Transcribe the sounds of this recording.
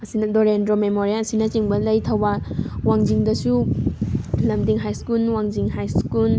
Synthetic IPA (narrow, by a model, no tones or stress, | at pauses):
ɐsinɐdɔɾendɾomemoɾialɐsinɐt͡ʃiŋbɐlɐjtʰɐwbawaŋd͡ʒiŋdɐsu | lɐmdiŋɦajskulwaŋd͡ʒiŋɦajskul